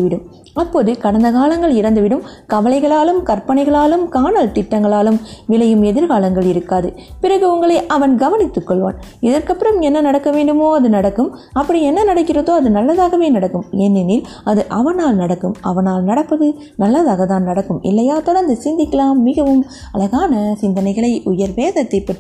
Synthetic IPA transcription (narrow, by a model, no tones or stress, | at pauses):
ɯʋɪɽɯm | ɐpːoːðɯkɐɽɐnd̪ɐkaːlɐŋɡɐɭɪɾɐnd̪ɯʋɪɽɯmkɐʋɐlɐɪɣɐɭaːlɯmkɐɾpːɐɳɐɪɣɐɭaːlɯmkaːnɐlt̪ɪʈːɐŋɡɐɭaːlɯmʋɪlɐjɯmɛðɪɾɣaːlɐŋɡɐɭɪɾɯkːaːðɯpɪrɐɣɯʊŋɡɐɭɐːʔɐʋɐnɡɐʋɐnɪt̪ːɯkːɔɭʋa̰ːn | ɪðɐrkɐpːɪɾɐmɛnːɐnɐɽɐkːɐʋeːɳɖɯmoːɐðɯnɐɽɐkːɯm | ɐpːɐɽiɛnːɐnɐɽɐkːɪrɐðoːɐðɯnɐlːɐðaːɣɐʋeːnɐɽɐkːɯmɛnːɪnɪl | ɐðɯʔɐʋɐnaːlnɐɽɐkːɯmɐ̰ʋɐnaːlnɐɽɐpːɐðɯ | nɐlːɐðaːɣɐt̪aːnnɐɽɐkːɯmʔɪ̰lːɐjaːt̪ɔɾɐnd̪ɯsɪnd̪ɪkːɐlaːmːɪɣɐʋɯm | ɐlɐɣaːnɐsɪnd̪ɐnɐɪɣɐɭɐɪʊjɐɾʋeːðɐt̪ːɐɪpːɐʈː